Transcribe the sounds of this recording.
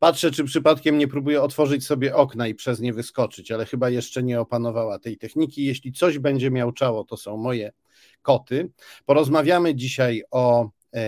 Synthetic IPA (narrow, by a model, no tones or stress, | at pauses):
patʂɛt͡ʂɘpʂɘpat̪kʲɛmɲɛpɾubujɛɔt̪fɔʐɘt͡ɕsɔbʲjɛʔɔknaipʂɛzɲɛvɘskɔt͡ʂɘt͡ɕalɛxɘbajɛʂt͡ʂɛɲɛɔpan̪ɔvawat̪ɛjt̪ɛxɲikʲijɛɕlʲit̪sɔʑbɛɲd͡ʑɛmʲjawt͡ʂawɔt̪ɔsɔ̃w̃mɔjɛ | kɔt̪ɘpɔɾɔzmavʲjamɘd͡ʑiɕajɔ